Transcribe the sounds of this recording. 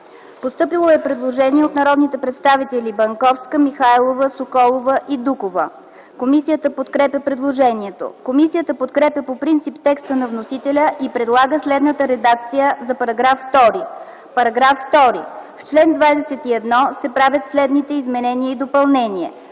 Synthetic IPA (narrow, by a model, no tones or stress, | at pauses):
post̪ɤpilˠoɛpɾɛd̪lˠoʒɛniɛot̪nɐɾɔd̪nit̪ɛpɾɛt̪st̪avit̪ɛlʲibɐŋkɔfskəmixajlˠovəsokɔlˠovəʔid̪ukovə̰ | komisijət̪əpot̪kɾɛpʲjəpɾɛd̪lˠoʒɛniɛt̪o̰komisijət̪əpot̪kɾɛpʲjəpopɾint̪sipt̪ɛkst̪ənɐvnosit̪ɛlʲəʔipɾɛd̪lˠaɡəslɛd̪nət̪əɾɛd̪ak̚t̪sijəzɐpɐɾɐɡɾafːt̪ɔɾi | pɐɾɐɡɾafːt̪ɔɾḭft͡ʃlɛnd̪vajd̪ɛsɛt̪iɛd̪nɔsɛpɾavʲət̪slɛd̪nit̪ɛizmɛnɛniəid̪opɐlˠnɛnʲiɛ